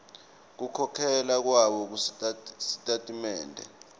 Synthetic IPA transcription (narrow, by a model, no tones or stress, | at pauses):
k̬ukʰɔkʰɛlak̬waɓɔk̬usi̥tʼatʼimɛːndʱɛ̰